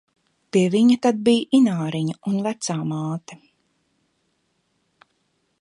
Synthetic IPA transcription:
piɛviɲɐt̪ad̪̚bijʔinaːɾiɲɐunvæt̪saːmaːt̪ɛ

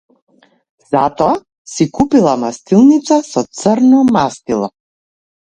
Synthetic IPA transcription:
z̥at̪ɔa | sikupilˠamast̪ilˠnit̪sasɔt̪səɾnɔmast̪ilˠɔ

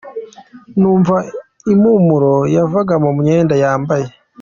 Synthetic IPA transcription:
nuːɱva | imumuɾojavaɡamomuɲeːndajaːmbaje̞

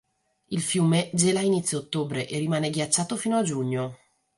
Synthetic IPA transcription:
ilfjuːmed͡ʒelainit̪sjoːt̪ːoːbɾeʔerːimaːneɡjat͡ʃːaːt̪ofiːnoad͡ʒuɲːo

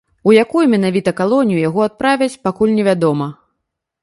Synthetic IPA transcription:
ujakujumʲɛnavʲit̪ɐkalˠɔnʲijujaɣɔat̪̚pɾavʲɐt͡sʲpakulʲnʲɛvʲad̪ɔmɐ

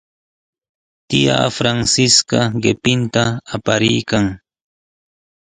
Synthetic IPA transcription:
t̪ɪja̰ːfɾaŋsɪskaɢɪpɪnt̪aːpaɾɪjkaŋ

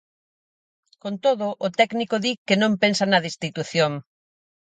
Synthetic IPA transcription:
kont̪oð̞ʊʔːt̪ɛknikoðikenõmpensɐnɐðist̪it̪uθjoŋ

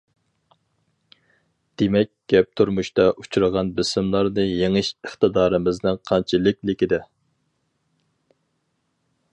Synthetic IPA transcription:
d̪̥emɛk̚ʲɡ̥ʲɛp̚t̪ʰuɾmuʃt̪ɑʔu̥t͡ʃʰuɾəʁɑnbɪsɪmlˠɑɾnɨjeŋɨʃəχt̪ɨd̪ɑːɾɨmɪznɨŋqʰɑnt͡ʃʰilˠɪkʲlɪkʲid̪ɛ

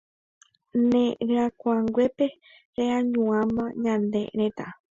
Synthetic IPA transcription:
nẽɾɨ̃ãkʷaŋɡwepe | ɾeãɲũãmãɲãnd̪ḛɾẽt̪a

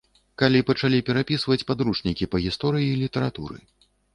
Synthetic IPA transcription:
kalʲipɐt͡ʂalʲipʲɛɾapʲisvɐt͡sʲpad̪ɾuʂnʲikʲipɐɣʲist̪ɔɾɨjilʲit̪ɐɾat̪ṵɾɨ̰

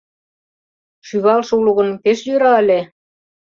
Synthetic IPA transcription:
ʃyβɑlʃuluɣə̆npeʃjøɾɑə̆le

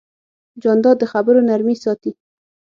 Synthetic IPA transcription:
d͡ʒɑnd̪ɑd̪ːəxabəɾonaɾmisɑt̪i

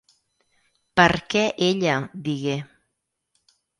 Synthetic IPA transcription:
pəɾkɛʔeʎad̪iɣe

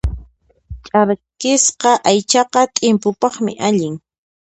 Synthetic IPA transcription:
t͡ʃʼaɾkɪsqɑʔajt͡ʃɑqɑt̪ʼɪmpʊpɑχmɪ̰ʔaʎɪŋ

